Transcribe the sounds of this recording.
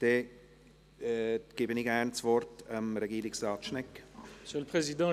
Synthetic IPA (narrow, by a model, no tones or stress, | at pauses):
d̥e | ɡ̥ɪːbəniɡɛrnt͡svɔrtəmɾɛɡiːɾɪksrɑːt̪ʃnɛkːməsjøləpχezid̪ɑ̃